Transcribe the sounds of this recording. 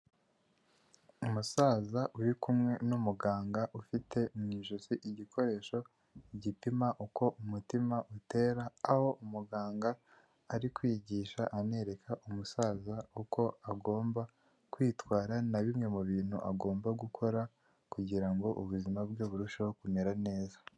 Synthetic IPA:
umusaːzaʔuɾikumŋe̞numuɡaːŋɡaʔufite̞mɲiːʒuziʔiɟikʰo̞ɾe̞ːʃo̞ | iɟipimaʔuko̞ʔumutimaʔute̞ːɾaːho̞ʔumuɡaːŋɡaː | ɾikwiɟiʃaʔane̞ɾe̞kʰaʔumusaːzaukʰo̞aɡo̞ːmba | kwiːtwaːɾanaβimŋe̞muβiːn̥hṵʔaɡo̞ːmbaɡukʰo̞ɾa | kuɟiɾaŋɡo̞ʔuβuzimabɡoːβuɾuʃahokumeɾane̞ːza

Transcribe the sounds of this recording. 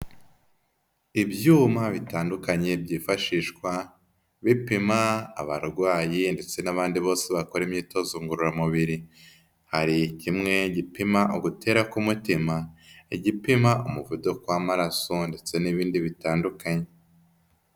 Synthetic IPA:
iβjuːmaβitaːndukaɲe̞bjiːfaʃiːʃkwa | βipima̰ːβaɾuɾɡwaːjinde̞t͡se̞naβaːndiβo̞ːseβakoɾemɲiːto̞zuŋɡuɾuɾamuβiɾi | haɾicimŋe̞ɟipimaʔoɡutʰe̞ːɾakumutimaeɟipimaomuvudo̞kwamaɾasonde̞t͡se̞niβiːndiβitaːndukaɲe̞

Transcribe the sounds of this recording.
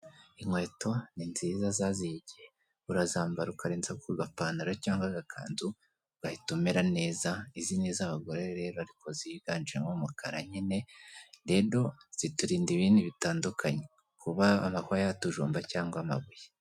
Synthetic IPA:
iŋwe̞to̞ninziːzazaziɟie | uɾazaːmbaɾukaɾeːnzakuɡapaːnuɾacaːŋɡwaɡakʰa̰ːnzu | ɡ̥ahitumeɾane̞ːzaizineːzaβaɡo̞ɾeɾe̞ːɾoaɾiko̞ziɡ̥aːnd͡ʒiɾeŋomukʰaɾa̰ɲine̞ɾe̞ɾo̞z̥ituɾiːndiβiːndiβitaːndukʰaɲe | kʰuβaːmahoajatuʒṵːmbacaːŋɡwama̰βuje

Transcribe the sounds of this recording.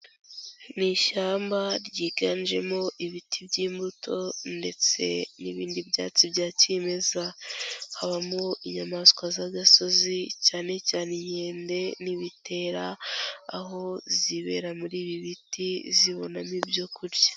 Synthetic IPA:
niʃaːmbaɾɟiːɡanʒe̞moʔiβitʰibɟiːmbutʰo̞nde̞t͡se̞̰niβiːndibja̰ːt͡sibjaːceme̞zahaβamoiɲamaskwazaɡaso̞zicaːne̞caːneɲe̞ːnde̞niβite̞ːɾaː | ɦo̞ziβe̞̰ɾamuɾiːβiβitiziβo̞namibjo̞kuɾɟḁ

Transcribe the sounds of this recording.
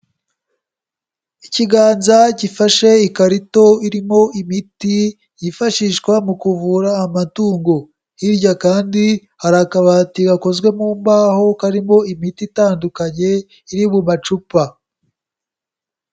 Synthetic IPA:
iciɡaːnzaɟifaʃe̞ikaɾito̞iɾimo̞imiti | jifaʃiʃkwamukuvuɾaːmatuːŋɡo̞ | hiɾɟakaːndi | haɾakaβatiɡako̞zɡwe̞muːmbaːho̞kaɾimo̞imititaːndukaɲe̞ | iɾiβumat͡ʃupa

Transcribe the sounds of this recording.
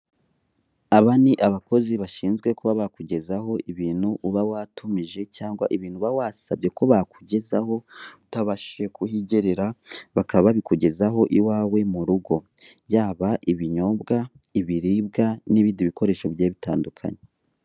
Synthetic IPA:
aβaniʔaβako̞ziβaʃiːnzɡwe̞kuβaβakuɟe̞zaho̞iβiːn̥huʔuβawatʰumiʒe̞caːŋɡwa̰ʔiβiːn̥huβawasabɟe̞ko̞βakuɟe̞zaho̞utaβaʃekʰuhiɟeɾeɾaβakʰaβaβikuɟe̞zaɦo̞ʔiwaːwe̞muɾuɡo̞ | jaːβaʔiβiɲo̞bɡaiβiɾiːbɡaniβiːndiβiko̞ɾe̞ːʃo̞βjeːβitaːndukʰa̰ɲe

